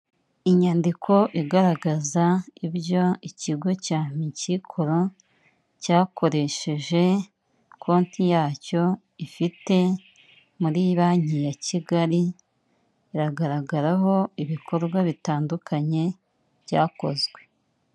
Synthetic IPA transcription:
iɲaːndikʰo̞ʔiɡaɾaɡazaiβjo̞iciɡo̞caːɲicikʰoɾo | caːkʰo̞ɾe̞ʃe̞ʒe̞ | kʰo̞ːntʰijaːco̞ | ifite̞ | muɾiβaɲijaciɡaɾi | iɾaɡaɾaɡaɾaɦo̞iβikʰo̞ɾɡwaβitaːndukʰaɲe̞ | βjaːko̞zɡwe̞

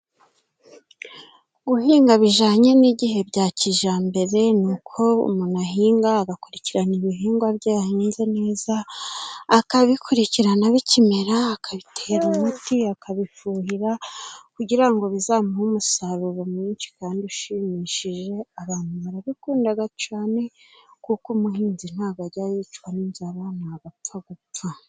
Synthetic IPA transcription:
ɡuhiːŋɡaβiʒaːɲe̞niɟiɦe̞bɟaːciʒaːmbe̞ɾe̞nukʰo̞ṵmunaɦiːŋɡaːɡakuɾiciɾaniβiɦiːŋɡwabɟaahinzene̞ːzaː | kaβikuɾiciɾanaβicime̞ɾaːkaβitʰeɾimutiakaβifuːhiɾakuɟiɾaŋɡo̞βizaːmuhumusaβuβomiːnt͡ʃi̥kaːndiuʃimiʃiʒe̞aβaːnhuβaɾaβikuːndaɡat͡ʃaːne̞ | kukumuɦiːnzin̥aːɡaɟajit͡ʃwaniːnzaβanaaɡap͡faɡutwa

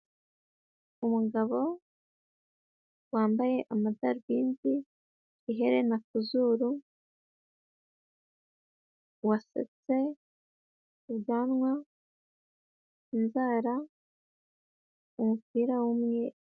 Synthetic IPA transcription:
umuɡaβo̞ | waːmbaje̞ʔamadaɾuβiːndiː | ɦe̞ɾenakuzuɾu | wasḛt͡se̞ | uβjaːnŋwa | inzaːɾa | umupiːɾawumɲe

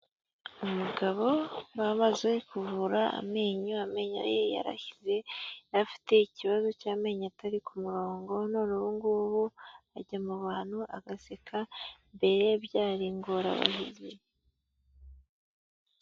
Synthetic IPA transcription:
omuɡaβo̞wamazekuvuɾaa̰me̞ːɲuame̞ɲa̰jeja̰ɾa̰çize̞jafi̥te̞iciβazo̞caːme̞ɲatʰaɾikumuɾo̞ːŋɡo̞noɾuβuŋɡuβuaɟamuβaːn̥huʔa̰ɡasekʰambe̞ɾe̞βjaːɾiŋɡoɾa̰βa̰ɦize

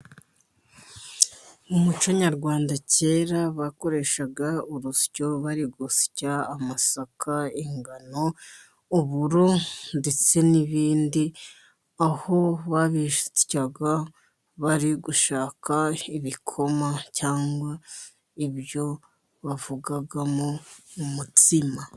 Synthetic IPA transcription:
umut͡ʃo̞ɲaɾɡwaːndace̞ːɾaβako̞ɾe̞ːʃaɡauɾusɟo̞βaɾiɡosi̥caːmasakʰaiŋɡano̞ | uβuɾonde̞t͡se̞niβiːndi | aho̞βaβiʃu̥caɡa | βaɾiɡuʃaːkʰaiβikʰo̞macaːŋɡwa | iβjo̞ | βavuɡaɡamoumutima

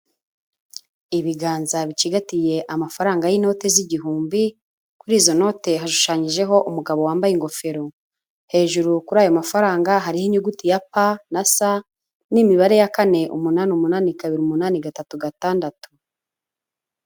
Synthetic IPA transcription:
iβiɡaːnzaβit͡ʃiɡatije̞ʔamafaɾaːŋɡajino̞ːte̞ziɟiɦuːmbi | kuɾiːzo̞no̞ːte̞ɦaʃu̥ʃaːɲiʒe̞ɦo̞ʔumuɡaβo̞waːmbajiŋɡo̞fe̞ɾo̞ | he̞ːʒuɾukuɾaːjo̞mafaɾaːŋɡaɦaɾihiɲuɡutijapanasa | nimiβaɾe̞jakane̞ʔṵmunaːnumunaːnikaβiɾiumunaːneɡatatuɡataːndatu̥

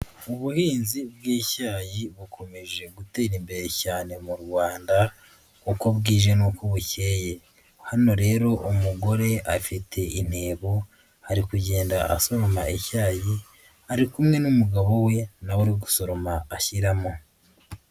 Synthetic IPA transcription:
uβuhiːnzib̚ɡiːcaːjiβukʰo̞me̞ʒe̞ɡute̞ːɾimbe̞ɾe̞caːne̞muɾɡwaːnda | kokoβɡiːʒe̞nukoβuce̞ːje̞ | hano̞ɾe̞ːɾo̞ʔumuɡo̞ɾe̞afitʰe̞ʔine̞ːβo | haɾikuɟe̞ːndaʔa̰so̞ɾo̞ma̰ʔecaːji | haɾikumŋe̞numuɡaβo̞we̞nawoɾiɡuso̞ɾo̞maːçiɾamo̞

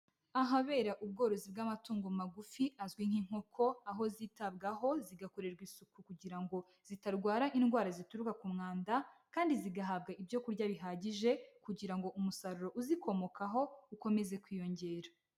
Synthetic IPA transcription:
aɦaβe̞ːɾaʔub̚ɡo̞ːɾo̞zibɡamatuːŋɡomumaɡufiʔazɡwiŋ̥hiŋ̥ho̞kʰo̞aɦo̞ziːtab̚ɡaɦo̞ziɡako̞ɾe̞ɾɡwisukukuɟiɾaŋɡo̞ | z̥itaɾɡwaːɾaʔinɡwaːɾazituɾukakumŋaːndakaːndiziɡaɦab̚ɡaibjo̞kuɾɟaβiɦaːɟiʒe̞kuɟiɾaŋɡo̞ʔumusaɾuɾo̞ʔuziko̞mo̞kaɦo̞uko̞me̞ze̞kwiːjo̞ɲɟe̞ːɾa

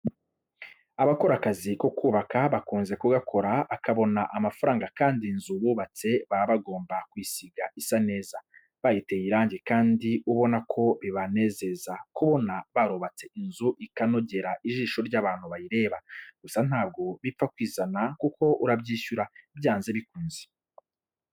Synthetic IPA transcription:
aβako̞ɾakaziko̞kuːβakaβakuːnze̞kuɡakʰo̞ɾaːkaβo̞naʔamafaɾaːŋɡakaːndinzuβuːβat͡se̞βaaβaɡo̞ːmbakwisiɡaʔisane̞ːza | βajite̞jiɾaːɲɟekaːndiuβo̞nakʰo̞βiβane̞ːze̞zakuβo̞naβaɾoβat͡se̞ʔinzuʔikano̞ɟe̞ɾaʔiʒiːʃo̞ɾɟaːβaːnhuβajiɾe̞ːβaɡ̥usan̥haːb̚ɡo̞βip͡fakwiːzanakukʰo̞ʔuɾabɟiːʃuɾabjaːnze̞βikuːnze̥

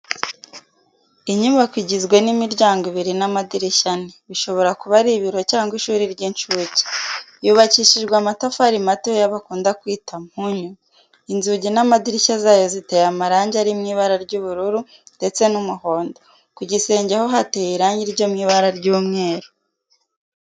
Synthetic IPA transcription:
iɲumbakwiɟizɡwe̞nimiɾɟaːŋɡiβiɾinamadiɾiʃaneβiʃo̞βo̞ɾakuβaɾiβiɾo̞caːŋɡwiʃuːɾiɾɟint͡ʃuːɟi̥juːβaciʃiʒɡwamatafaɾimatojaβakuːndakwiːtʰamhuɲu | inzuɟinamadiɾiʃazaːjo̞zitejamaɾaːɲɟaɾimŋiːβaɾaɾɟuβuɾuɾu | nde̞t͡se̞numuho̞ːndo | kuɟise̞ːɲɟeho̞ɦatejiɾaːɲɟiɾɟo̞mŋiːβaɾaɾɟuːmŋe̞ːɾo

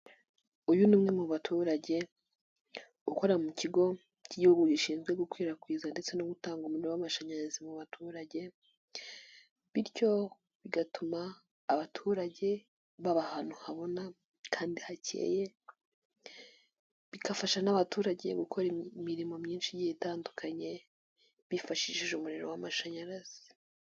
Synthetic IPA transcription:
ujunuːmŋemuβatʰuːɾaɟe̞ | uko̞ɾamuciɡo̞ | ciɟuɡuɟiʃiːnzɡweɡukwiːɾakwiːzande̞t͡se̞noɡutaːŋɡumunowamaʃaɲazimuβatʰuːɾaɟe̞ | βiɾco̞ | βiɡatumaː | βatʰuːɾaɟe̞ | βaβahanuhaβo̞na | kʰaːndihacʰḛːje̞ | βikafaʃanaβatuːɾaɟe̞̰ɡukʰo̞ɾimiɾimo̞mɲiːnʃiɟihetaːndukʰaɲe̞ | βifaʃiʃiʒumuɾeɾowamaʃaɲaɾaz̥i̥

